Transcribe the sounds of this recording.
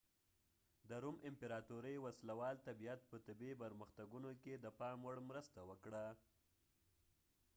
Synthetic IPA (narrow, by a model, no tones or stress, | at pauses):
d̪əɾumɪmpeɾɑt̪uɾəjwaslawɑlt̪abijat̪̚pət̪ɪbepəɾməxt̪aɡunoked̪əpɑɳwəɽmɾəst̪awəkɽa